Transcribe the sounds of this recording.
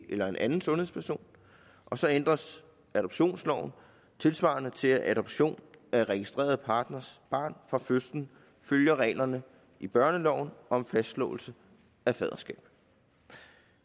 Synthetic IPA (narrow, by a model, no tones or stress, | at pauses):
elɐe̝nʔænn̩sɔ̽nheðˠspʰæɐso̝̰ːn | ʔɒ̽sɒ̽end̥ʁɐs | æɾ̥ɒ̽b̥ɕo̝̰ːnslɒʊ̰n̩ | t͡sʰe̝lsʋɑ̰̈nət͡sʰe̝æʔæɾɒ̽b̥ɕo̝̰ːnæʁɛɡ̥isd̥ʁḛːɐðˠpʰɑ̈ːd̥nɐsb̥ɑ̰̈ːnfʁɑ̈føsd̥n̩ | føljɐʁɛ̰ːlɐnə | ʔib̥ɶɐnəlɒʊ̰nɒ̽mfæsd̥lɔ̰̽ːl̩sə | æfɛð̞ˠɐsɡ̥ɛ̰ːb̥